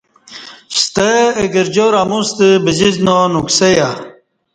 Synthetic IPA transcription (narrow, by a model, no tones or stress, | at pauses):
ɕt̪əeɡəɾd͡ʑoɾamust̪əbid͡ʑiznonukseja